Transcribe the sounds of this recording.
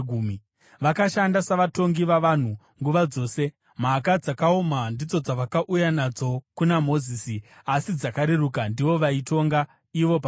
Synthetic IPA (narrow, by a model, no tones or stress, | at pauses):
ɡʱuːmi | ʋakaʃandasaʋato̞ŋɡiʋaʋan̤u | ŋɡuʋad͡zo̞ːse̞ | m̤akad͡zakaomandid͡zo̞d͡zaʋakaʔujanad͡zo̞kunamo̞ziːsi | asid͡zakaɾeɾukandiʋo̞ʋaito̞ŋɡa | iʋo̞pa